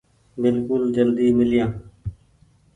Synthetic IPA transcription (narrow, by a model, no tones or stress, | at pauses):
bɪlkʊld͡ʒəld̪iːmɪlɪjãː